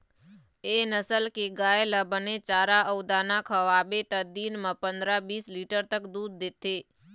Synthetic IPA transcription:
enəsəlkeɡajeləbənet͡ʃaɾaʔəwd̪anakʰəʋabet̪əd̪inmãpənd̪ɾabisliʈəɾt̪əkd̪ud̪̚ːet̪e

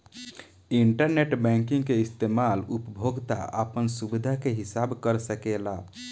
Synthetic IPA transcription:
iɳʈəɾneʈbɛ̃ŋkĩŋɡkeist̪emalupəbʱoɡt̪a̰ʔə̰pənsubid̪ʱakeɦisabkəɾsəkela

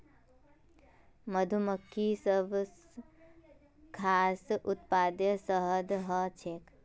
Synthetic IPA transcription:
məd̪ʱuməkʰːisəbs | kʰaːsʊt̪paːd̪jəsəɦəd̪ɦət͡ʃʰeːk

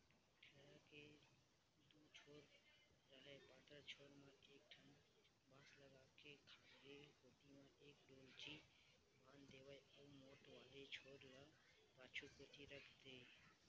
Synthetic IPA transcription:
ʈʰəɾake | d̪uːt͡ʃʰoːɾ | ɾəɦepaːt̪əɾt͡ʃʰoːɾmãeːk̚ʈʰən | bãːsləɡaːkekʰaːɡekoːʈimãeːkɖoːlt͡ʃi | baːnd̪eːʋəjəʋmoːʈʋaːlet͡ʃʰoːɾɾa | paːt͡ʃʰukoːʈ̪iɾəkʰt̪eː

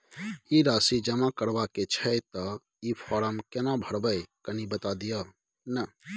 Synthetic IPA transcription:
iɾasid͡ʒəmakəɾbaket͡ʃʰɛjt̪ɔ | ipʰɔɾəmkenabʱəɾbəjkənibət̪ad̪ijə | nə

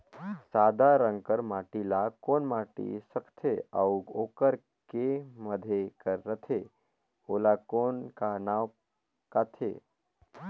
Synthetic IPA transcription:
saːd̪ʱaɾəŋkəɾmaʈilakoːnmaʈḭsəkʰt̪ʰeauokəɾ | keməd̪ʱekəɾːət̪ʰe | olakonkanaw | kat̪ʰḛ

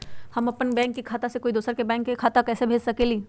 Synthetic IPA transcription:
hɐmɐpnbɛ̃ːŋkːikʰaːt̪asekoːid̪uːsəɾkebɛ̃ːŋkːekʰaːt̪akɛːsebʱeːd͡ʒsɐkeːliː

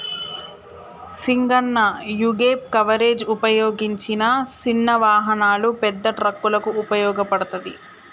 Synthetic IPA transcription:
siŋɡɐɳːɐjuɡeːp̚kɐʋɐɾe̞ːd͡ʒupɐjoːɡiɲt͡ʃinɐt͡ʃinːɐʋaːɦɐnaːlupɛd̪ːɐʈɾɐkːulɐkuːpɐjɔːɡɐpɐɽɐt̪ɐd̪i

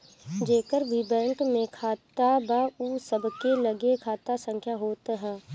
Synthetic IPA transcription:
d͡ʒeːkəɾbʱibɛ̃ːŋkmẽkʰaːt̪abauːsəbkelɐɡekʰaːt̪asə̃ŋkʰjaɦoːt̪ɦɛː

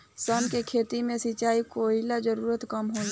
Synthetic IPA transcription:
sənkekʰeːt̪imẽsit͡ʃaːikoːilad͡ʒəɾuːɾət̪kɐmɦo

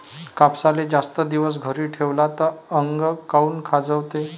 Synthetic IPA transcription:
kapsaled͡zast̪əd̪iʋəs̬ɡʱəɾiːʈʰeʋlat̪əəŋɡkauːnkʰad͡zəʋt̪e

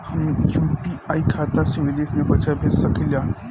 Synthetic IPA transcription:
hɐmejuːpiaːikʰaːt̪asuʋed̪eːʃmẽbɐt͡ʃabʱeɾsɐkʰiljaː

